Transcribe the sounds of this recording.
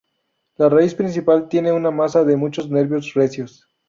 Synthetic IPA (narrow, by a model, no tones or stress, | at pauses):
laraispɾins̬ipalt̪je̞ne̞unamasaðemut͡ʃo̞zne̞ɾβjo̞sre̞sjos